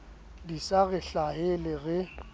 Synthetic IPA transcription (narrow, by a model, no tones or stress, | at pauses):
disaɣɪɬahɪlɪɣɪ